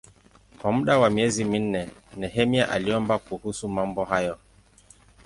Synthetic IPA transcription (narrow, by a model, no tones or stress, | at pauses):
kwamuɗawamiɛzimin̩nɛnɛɦɛmjaʔaliɔmbakuhusumambɔɦajɔ